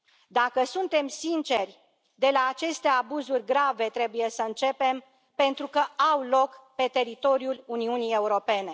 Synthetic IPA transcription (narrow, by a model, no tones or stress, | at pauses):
d̪akəsunt̪e̞msint͡ʃe̞rʲ | d̪e̞laːt͡ʃe̞st̪e̞abuzurʲɡɾave̞t̪ɾe̞buje̞səɨnt͡ʃe̞pe̞m | pe̞nt̪ɾukəawlo̞kpe̞t̪e̞ɾit̪o̞ɾjuluniunije̞uɾo̞pe̞ne̞